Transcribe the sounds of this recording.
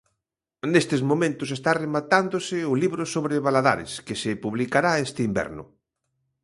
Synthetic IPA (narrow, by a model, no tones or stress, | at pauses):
nest̪ɪzmõmẽnt̪ʊs̬est̪aremat̪and̪osɪʊliβɾosoβɾɪβalaða̰ɾɪ̰skɪsɪpuβlikaɾaest̪ɪimbɛ̰ɾnʊ̰